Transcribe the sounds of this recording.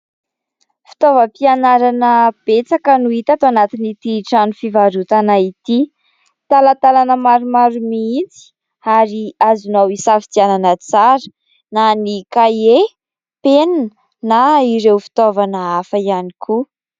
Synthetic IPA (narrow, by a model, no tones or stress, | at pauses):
fi̥t̪ovəpianaɾanəb̥et͡sakənuit̪at̪oanat̪init̪iʈ͡ʂanufivaɾut̪anait̪i | t̪alat̪alanəmaɾumaɾumiit͡si̥ | aɾiazunawisafi̥t̪iananət͡saɾə̥ | nanikaje | penn | naiɾewfi̥t̪ovanəafəianikʰu